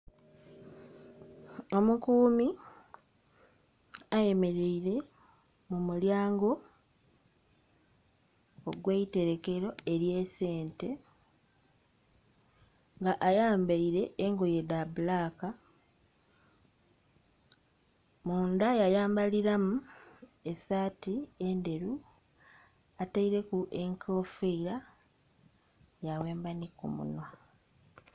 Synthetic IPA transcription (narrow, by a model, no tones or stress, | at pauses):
o̞mukuːmi | aje̞me̞ɾeiɾe̞ | mumuljaːŋɡo̞ | oɡwe̞ite̞ɾe̞ke̞ɾo̞e̞ɾje̞ːse̞ːnte̞ | ŋɡaʔajaːmbaiɾe̞ːŋɡojedaβulaka | muːndajajaːmbaliɾamue̞saːtie̞nde̞ɾu | ataiɾe̞kuʔe̞ŋkʰo̞ːfeiɾa | jawe̞ːmbanikṵmṵno